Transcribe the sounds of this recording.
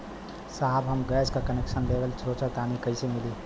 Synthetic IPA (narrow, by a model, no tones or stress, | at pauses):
saɦbɦəmɡɛːskakəneksənb̪eʋəlt͡ʃʰɾoːt͡ʃət̪aːnikəɪsemɪli